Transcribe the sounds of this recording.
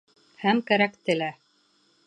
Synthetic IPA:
hæmkæɾækt̪ɘ̆læ

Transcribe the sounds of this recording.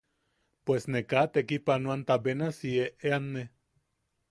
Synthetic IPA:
pwesnekat̪ekipanuant̪abenasieʔeanːe

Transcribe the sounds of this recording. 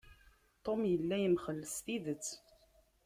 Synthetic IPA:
t̪ˤomjəlːæjəmχəlːəsθiðət͡sː

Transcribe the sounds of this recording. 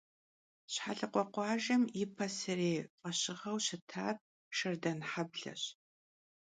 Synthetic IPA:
ɕħa̰ɮɨqʷɔqʷɑːʒɐmjɪpʰɐsɨreːqʼɐɕɪʁɐwɕɪtʰaːr̚ | ʃɐrdɐnħabɮɐ̰ɕ

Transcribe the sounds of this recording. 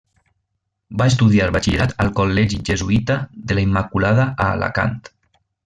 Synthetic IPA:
baes̬t̪uðiaɾβat͡ʃiɾat̪alˠkolːɛʒiʒezuit̪aðelaimːakulað̞aaːla̰ka̰nt̪

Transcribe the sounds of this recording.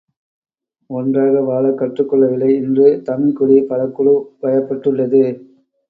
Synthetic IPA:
ɔndraːɣɐʋaːɭɐkːɐʈrɯkːɔɭːɐʋɪlɐɪɪndrɯt̪ɐmɪkɔɽipɐlɐkːɔɭɯpɐjɐpːɐʈːɯɭːɐðɯ

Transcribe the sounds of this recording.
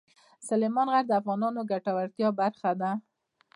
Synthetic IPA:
salemɑnɣaɾd̪əafɣɑnɑnoɡaʈawaɾt̪jɑbaɾxad̪a

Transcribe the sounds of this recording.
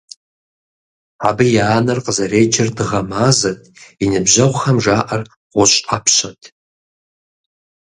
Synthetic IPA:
abɨjaːnɨrqʼəzaɾejd͡ʒɪrdɨʁamazatʼinɨbʒʷaʁʷχamʒaʔar | ʁʷʊʃʷʼapʰʃʷatʼ

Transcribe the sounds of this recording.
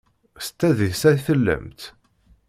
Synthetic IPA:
st̪ːæðisæθəlːə̰mt̪

